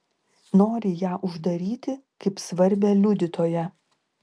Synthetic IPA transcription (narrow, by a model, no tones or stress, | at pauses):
noːɾʲɪjæːʔʊʒd̪ɐɾʲiːt̪ʲɪkɐɪpsʋɐɾʲbʲɛːlʲʊd̪ʲɪt̪oːjɛ